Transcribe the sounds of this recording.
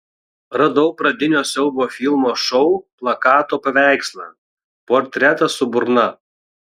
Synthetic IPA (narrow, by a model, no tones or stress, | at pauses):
ɾɐd̪ɔʊpɾɐd̪ʲɪnʲoːsʲɛʊboːfʲɪlˠmoːʃɔʊplˠɐkɑːt̪oːpɐʋʲæˑɪkslˠɐ̰ | poːɾʲt̪ʲɾʲæt̪ɐsʊbʊɾnɐ